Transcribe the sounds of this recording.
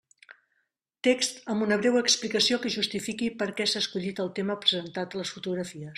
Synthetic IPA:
t̪ekst̪əmbunəβ̞ɾɛwəksplikəsiokəʒust̪ifikipəɾkɛsaskuʎit̪əlˠt̪eməpɾəzənt̪at̪ələsfut̪uɣɾəfiəs

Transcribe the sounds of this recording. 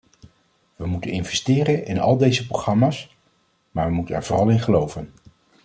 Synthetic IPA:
ʋəmutənɪnvɛstɪːɾənɪnɑ̰lˠdejzəprowχrɑmaːs | maːɹʋəmutənɛ̰ɹvʊrɑlˠɪnχəlowvən

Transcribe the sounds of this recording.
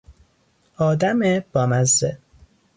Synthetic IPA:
ɒːd̪æmeb̥ɒːmæzːe

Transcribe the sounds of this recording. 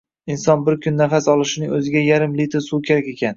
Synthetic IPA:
ɪnsɒnbɪɾkʲʰʊnːafasɒlˠɪʃɪnɪŋɵzɪɡʲajaɾɪmlit̪ʰɾsukʲʰeɾakʲe̞kʲan

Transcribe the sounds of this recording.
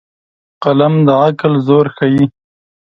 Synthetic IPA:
qalamd̪əaklzoːɾxaji

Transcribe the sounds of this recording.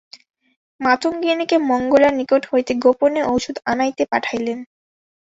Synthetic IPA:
mat̪ʰoŋɡinikemɔŋɡolaɾnikoʈhoet̪eɡoponeʔowʃod̪anajt̪epaʈʰajlen

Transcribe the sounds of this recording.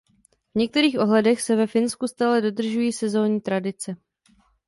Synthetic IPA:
vɲɛk̚t̪ɛɾiːxʔo̞ɦlɛdɛxsɛvɛfɪnskust̪aːlɛdo̞d̪r̩ʒujiːsɛzo̞ːɲiːt̪ɾadɪt͡sɛ

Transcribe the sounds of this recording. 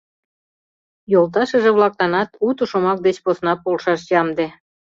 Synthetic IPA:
jolt̪̬ɑʃə̆ʒeβlɑk̚lɑnɑt̪ut̪uʃomɑk̚d̪et͡ɕposnɑpolʃɑʃjɑmd̪e

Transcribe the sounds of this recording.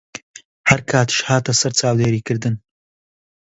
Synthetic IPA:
hɐɾkʰaːt̪ɨ̥ʃhaːt̪ɐsɐɾt͡saːwd̪eːɾiːkɨɾd̪ɨn

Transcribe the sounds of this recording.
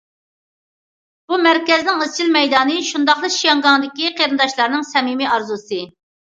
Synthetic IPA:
b̥umæɾkʲɛznɪŋəzt͡ʃʰilmɛjd̪ɑːnɨʃund̪ɑχlˠɨʃijɑŋɡɑŋd̪ɪkʲiqʰeɾɨnd̪ɑʃlˠɑɾnɨŋsɛmimiɑɾzusɨ

